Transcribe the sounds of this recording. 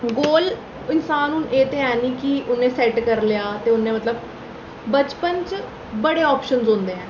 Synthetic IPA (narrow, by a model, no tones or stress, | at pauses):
ɡoːl | ɪnsaːnʊnʔeːt̪eɛːniːkiʔʊnẽːsɛːʈkəɾlɪjaːt̪eːʊnːẽmət̪ləb | bət͡ʃpənt͡ʃ | bəɽeːɔːpʃənzõnd̪eːɛ̃ː